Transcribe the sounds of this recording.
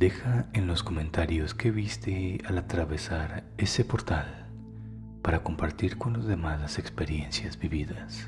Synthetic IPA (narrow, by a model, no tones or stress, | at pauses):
d̪e̞xaenlo̞sko̞mẽ̞nt̪aɾjo̞ske̞βist̪ealat̪ɾaβe̞saɾe̞se̞po̞ɾt̪al | paɾako̞mpaɾt̪iɾko̞nlozðe̞maðase̞kspeɾje̞nsjazbiβiðas